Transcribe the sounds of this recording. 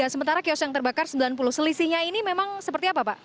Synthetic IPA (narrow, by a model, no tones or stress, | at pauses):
asəmənt̪aɾakiɔsjaŋt̪ərbakarsəmbilanpulʊhsəlisiɲainimemaŋsəpərt̪iapapaʔ